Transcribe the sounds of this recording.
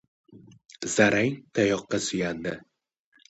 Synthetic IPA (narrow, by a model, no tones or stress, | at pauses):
zaɾʔaŋt̪ʰajɒqːɑsʊjand̪ɪ